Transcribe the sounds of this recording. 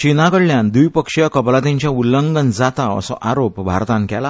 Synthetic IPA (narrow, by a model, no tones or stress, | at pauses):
t͡ɕinakəɽljãnd̪ujpəkʂjəkəblat̪̬ẽɲt͡ɕjaulːəŋɡənd͡zat̪aə̰sɔ̰ʔaɾopbʱa̰ɾt̪ãnkɛla